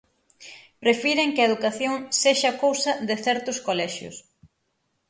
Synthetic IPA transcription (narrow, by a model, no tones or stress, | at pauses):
pɾefiɾeŋkɪɐeðukaθjoŋseʃɐːkowsɐðɪθɛɾt̪ʊskolɛʃjʊ̰s